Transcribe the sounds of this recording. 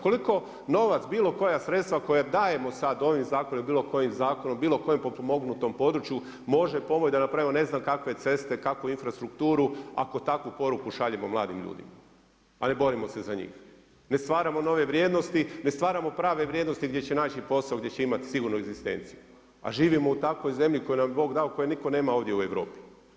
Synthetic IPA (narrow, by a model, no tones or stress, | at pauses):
ko̞liko̞ | no̞ʋat̪sbiːlo̞ko̞jasɾet̪st̪ʋako̞jad̪aːje̞mo̞sad̪o̞ʋimzaːkonombiːlˠo̞ko̞jimzaːko̞no̞mbiːlo̞ko̞jempopomo̞ɡnut̪o̞mpo̞d̪ɾut͡ʃju | mo̞ʒepo̞mot͡ɕd̪anapɾaʋimone̞znamkakʋe̞t̪se̞st̪e̞kakʋuinfɾast̪ɾukt̪uːɾua̰ko̞t̪akʋupo̞ɾukuʃaʎemo̞mlˠaːd̪imʎṵːd̪ḭma | ane̞bo̞ɾimo̞se̞zaɲḭːx | ne̞st̪ʋaːɾamono̞ʋe̞ʋɾjed̪no̞st̪inest̪ʋaːɾamo̞pɾaːʋe̞ʋɾʲjed̪no̞st̪iɡd̪je̞t͡ɕe̞naːt͡ɕipo̞saoɡd̪je̞t͡ɕe̞imat̪i̥siɡuɾnueɡzist̪e̞̰nt̪siju | a̰ʒiːʋimo̞ut̪ako̞jze̞mʎiko̞junamjbo̞ːɡd̪aokojeniko̞ne̞ːmao̞ʋd̪jeueʋɾo̞̰ːpi̥